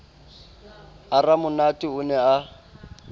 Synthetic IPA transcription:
aramʊnatʼiʊnɛa

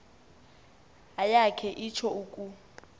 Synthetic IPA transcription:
ajakʰɛʔit͡ʃʰɔuːkʼu

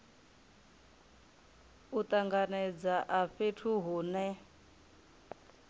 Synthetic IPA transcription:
ut̪ʼaŋɡanɛd͡zaʔaɸetʰuɦuːnɛ

